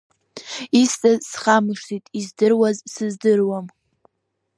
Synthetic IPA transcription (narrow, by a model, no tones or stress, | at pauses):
ist͡sʼazsχamɨʂtʰitʼizdɨrwazsɨzdɨrwam